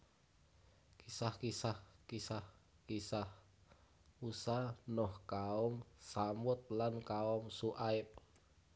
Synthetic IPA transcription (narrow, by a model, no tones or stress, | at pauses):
kisahkisahkisah | kisah | usanɔhkaɔmsamʊt̪̚lankaɔmsuʔaɪp̚